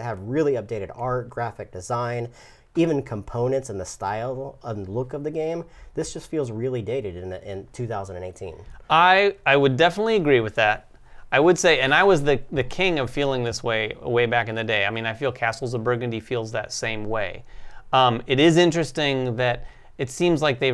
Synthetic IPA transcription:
hɨvɹɪlˠiʌp̚d̥eɪɾɨɾɑɹt̚ɡ̥ɹæfɨk̚d̥ɨzãɪ̃n | ivɨ̃nkʰə̃m̩pʰõʊ̃nɨ̃ntsə̃nðəstaɪlˠʌ̃nðlʊkʌvðɨɡẽɪ̃mðɪsd̥ʒ̥ʌstfilˠzɹɪlˠideɪɾɨɾɨ̃nɪ̃ntʰʉθaʊzndɨ̃neɪtʰḭ̃naɪaɪwɨdɛfənətˡliɨɡɹiwɨðæt̚ | aɪwəd̥seɪɨ̃naɪwʌzðɨðɨkʰɪ̃ŋʌv̥filˠɪ̃ŋðɪsweɪə̰weɪbækɨ̃nðɨdeɪaɪmĩnaɪfilˠkʰæsl̩ˠzʌvbɜ˞ɡɨ̃ndifilˠzðɨ̰tsẽɪ̃mweɪʌ̃mɨɾɪzɪ̃nt͡ʃɹ̥ɨstɪ̃ŋðɨɾ | ɨtsĩmzlaɪk̚ðeɪ

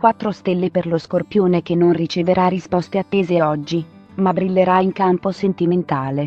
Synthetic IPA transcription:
kwat̪ːɾost̪elːeperloskorpjoːnek̟enːonrit͡ʃeveɾʔarispɔst̪eat̪ːeːzeɔd͡ʒːi | mabɾilːeɾaiŋkamposent̪iment̪aːle

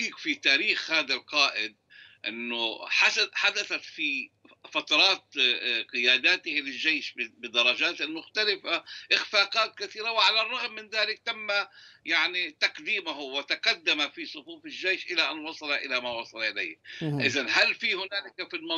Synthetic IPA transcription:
iːkfit̪aːɾiːxhaːðalqɑːʔɪd̪̚ʔɪ̰nːʊħaħad̪aθat̪fi | fat̪ɑɾˤɑːt̪qɪjaːd̪aːt̪ɪhlɪlʒejʃbɪd̪ɑɾˤɑd͡ʒaːt̪ɪlmʊxt̪alɪfaʔɪxfaːqɑːt̪̚kaθiːɾawɪʕalarˤːɑɣmːɪnðaːlɪk̚t̪amːajaʕnit̪aqd̪iːmaɦʊwɪt̪aqɑd̪ːamafisˤʊfuːfɪlːejʃʔɪlaʔanwɑsˤɑlaʔɪlamawɑsˤɑlʔɪla̰jhʔɪzanɦalfihʊnaːlɪkafilmɑ

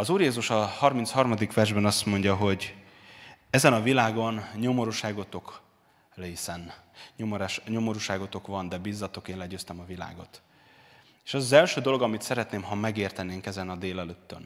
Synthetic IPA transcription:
ɒzuːrjeːzuʃɒhɒrminshɒrmɒd̪ikʋɛrʒbɛnɒst̪mo̞ɲɟɒɦo̞ɟ | ɛzɛnɒvilaːɡo̞nɲo̞mo̞ɾuʃaːɡo̞t̪o̞k | leːsɛn | ɲomoɾʃɲo̞mo̞ɾuːʃaːɡot̪o̞kvɒnd̪ɛbiːzːɒt̪o̞keːnlɛɟøːst̪ɛmɒvila̰ːɡo̞t̪ | eːʃɛzɒzɛlʃøːd̪o̞lo̞ɡɒmit̪sɛɾɛt̪neːmɦɒmɛɡeːrt̪ɛneːŋkɛzɛnɒd̪eːlɛløːt̪ːøn

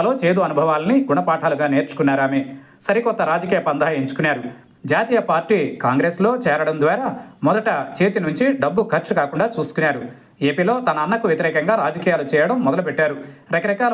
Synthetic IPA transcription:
lo̞ːt͡ʃeːd̪uɐnubʱɐʋaːlɐniɡuɳɐpaːʈʰaːluɡaːneːɾt͡ʃu̥kunːaːɾaːme | sɐɾikɔt̪ːɐɾaːd͡ʒɐkiːjɐpɐnd̪ɐajɐiɲt͡ʃu̥kunaːɾu | d͡ʒaːt̪iːjɐpaːɾʈiːkaːŋɡɾeːslo̞ːt͡ʃɛːɾɐɽɐnd̪ʋaːɾɐmɔd̪ɐʈɐt͡ʃe̞ːt̪inuɲt͡ʃiɖɐbːukʰɐɾt͡ʃɐkaːkuɳɖaːt͡ʃuːsu̥kunaːɾu | e̞ːpiːlo̞ːt̪ɐnɐːnːɐkuʋjɐt̪iɾɛːkɐŋɡaːɾaːd͡ʒɐkijaːlut͡ʃɛːjɐɽɐmːɔd̪ɐlupeʈːaːɾuɾɐkɐɾɐkaː

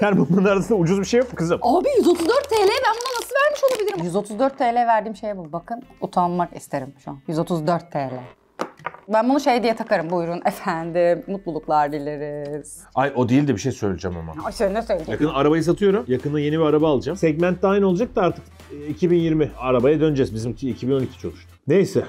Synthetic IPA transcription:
hæɾbut̪manaɾasɯnd̪aud͡ʒuzbiʃejafkʰɯzɯmaːbijyzo̞t̪ʰuzd̪øɾt̪ʰːeːlʲejɛbænbunanasɯlˠvæɾmiʃo̞lˠabilʲiɾimjyzo̞t̪ʰuzd̪øɾt̪ʰːeːlʲejɛvæɾd̪iːmʃe̞jɛbubakʰɯnut̪ʰanmakḭst̪ʰe̞ɾimʃunjyzo̞t̪ʰuzd̪øɾt̪ʰːeːlʲɛ | bænbunuʃe̞jd̪ijɛt̪ʰakʰaɾɯmbujɾunʔefænd̪ɪːut̪lˠulˠuklˠaɾd̪ilʲeɾɪz̥ | ajo̞d̪eilʲd̪ɛbiʃejsøjlʲed͡ʒɛma̰ma̰aseinːɛsøjlʲjakɯnaɾabajɯs̬at̪ʰɯjo̞ɾumjakʰɯnd̪aje̞nibiaɾabaːlˠɯd͡ʒamsɛɟmænt̪̚d̪aːjino̞lˠad͡ʒak̚d̪aaɾt̪ʰɯ̥k | icʰibinjiɾmiaɾabajad̪ønd͡ʒɛzbizimiːcʰibino̞nicʰi̥t͡ʃʰolˠuʃt̪une̞jsɛ

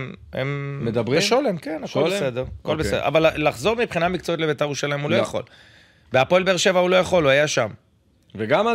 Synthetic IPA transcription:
ḛmmed̪abʁiʃolemkenaklsed̪eʁako̞lbeseḛa̰vallaχzo̞ʁmipχinamik̚t͡soitle̞bet̪aeʁuʃalajmulojχo̞̰l | beapoelbeeʁʃe̞vaulo̞jaχo̞luajaʃam | veɡama

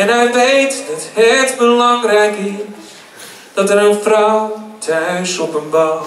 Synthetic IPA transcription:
ɛnɛjʋejtəthɛtbəlɑŋrɛjkɪ | d̥ɔtəɾənfrawtʰɥsɔpənbaw

